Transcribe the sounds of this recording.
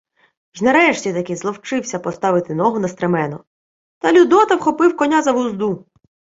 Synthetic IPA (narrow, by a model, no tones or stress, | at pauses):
ʒnɐɾɛʃtʲit̪ɐkɪzlˠɔwt͡ʃɪwsʲɐpɔst̪ɑʋɪt̪ɪnɔɦʊnɐst̪ɾemɛnɔ | t̪ɐlʲud̪ɔt̪ɐwxɔpɪwkɔnʲazɐʋʊzd̪u